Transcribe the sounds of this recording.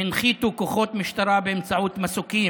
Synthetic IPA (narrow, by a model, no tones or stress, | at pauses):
inχit̪ukoχo̞t̪miʃt̪aɾabeemt͡saut̪masuki